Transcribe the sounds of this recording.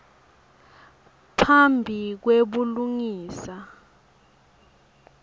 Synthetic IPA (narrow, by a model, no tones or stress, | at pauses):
pʰambʱik̬weɓuluŋiːsa